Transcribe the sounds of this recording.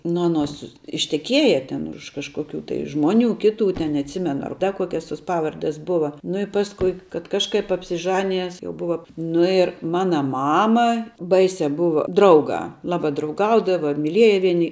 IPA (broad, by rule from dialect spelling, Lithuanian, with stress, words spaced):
ˈnʊ ɐˈnoːs ɪʃʲtʲɛˈkʲiɛjɛ ˈtʲɛn ʊʃ kɐʃkoːˈkʲuː tɐɪ ˈʒmoːˌnʲuː ˈkʲɪˌtuː tʲɛn nʲɛɐtʲˈsʲɪmʲɛnʊ ɐr ˈdɐ ˈkuɔkʲɛs toːs ˈpɑːʋɐrʲdʲɛs ˈbʊʋɐ nʊ ɪ ˈpɑːskʊɪ kɐt ˈkɑːʃˌkɐɪp ɐpʲsʲɪˈʒɑːnʲɪjɛs jɛʊ ˈbʊʋɐ ˈnʊ ɪr ˈmɑːnɐ ˈmɑːmɐ ˈbɐɪsʲɛ ˈbʊʋɐ ˈdrɐʊɡɑː ˈlˠɑːbɐ drɐʊˈɡɐʊdɐʋɐ mʲɪˈlʲiɛjɛ ˈʋʲiɛnʲɪ